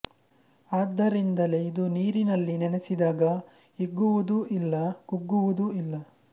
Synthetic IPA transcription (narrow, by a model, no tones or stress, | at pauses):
aːd̪ːɐɾind̪ɐle̞id̪uniːɾinɐlːinɛnesid̪aːɡɐ | iɡːuʋud̪uʔilːɐkuɡːuʋud̪uilːɐ